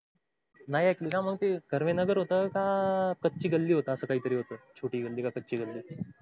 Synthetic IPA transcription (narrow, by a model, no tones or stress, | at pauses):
najɛkliːnãməɡt̪eɡəɾʋenəɡəɾɦot̪əkakətːt͡ɕiːɡəlːiːɦot̪əːsəːkaɦiːt̪əɾiːɦot̪ət͡ɕʰoʈiːɡəlːiːkakət͡ɕiːɡəlːiː